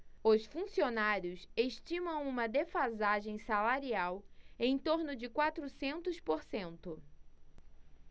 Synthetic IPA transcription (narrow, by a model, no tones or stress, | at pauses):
ʊsfũsionaɾjʊseʃt͡ʃĩmɐ̃w̃ũmɐd̪efazaʒẽj̃salaɾiawẽj̃t̪oɾnʊd͡ʒɪkwat̪ɾʊsẽnt̪ʊspoɾsẽnt̪ʊ